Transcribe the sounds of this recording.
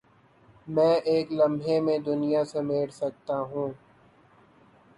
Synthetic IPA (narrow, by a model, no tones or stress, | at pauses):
mɛ̃ːʔeːklɐ̃mbʱɦemẽd̪ʊnijasemeːɽsɐk̚t̪aɦũː